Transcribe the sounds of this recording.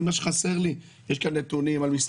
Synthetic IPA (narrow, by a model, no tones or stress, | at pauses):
maʃeχase̞ʁli | jeʃkanːet̪unimalmis